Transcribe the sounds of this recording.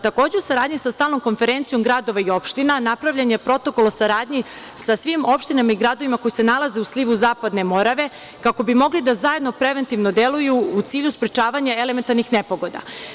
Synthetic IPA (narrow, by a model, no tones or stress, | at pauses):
t̪ako̞ːd͡ʑeusaɾaːd̪ɲisast̪aːlˠno̞mko̞nfe̞ɾent̪sijo̞mɡɾad̪o̞ʋaio̞pʃt̪inanapɾavʎaɲe̞pɾo̞t̪o̞ko̞lˠosaɾaːd̪ɲi | sasʋimo̞pʃt̪inamaiɡɾad̪oʋimako̞jise̞nalˠaze̞usliʋuzaːpad̪ne̞mo̞ɾaʋe̞ | kako̞bimo̞ɡlid̪azaje̞d̪no̞pɾe̞ʋent̪iʋno̞d̪e̞lujuut̪siːʎuspɾet͡ʃaːʋaɲaele̞ment̪aɾnixne̞po̞ɡo̞d̪a̰